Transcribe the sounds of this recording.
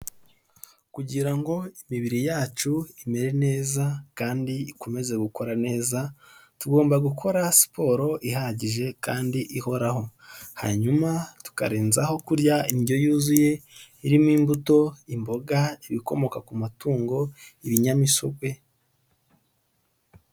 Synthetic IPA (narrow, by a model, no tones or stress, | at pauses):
kuɟiɾaŋɡo̞imiβiɾijaːt͡ʃuime̞ɾe̞ne̞ːzakaːndiiko̞me̞ze̞ɡuko̞ɾane̞ːzatuɡo̞ːmbaɡukʰo̞ɾasi̥po̞ːɾo̞ʔiɦaɟiʒe̞kaːndiʔiho̞ɾaho̞ha̰ɲumatu̥ka̰ɾeːnzaho̞kuɾjainɟo̞juːzuje̞iɾimwiːmbuto̞imbo̞ɡaiβiko̞mo̞kakumatuːŋɡo̞iβiɲamiso̞ɡwe̞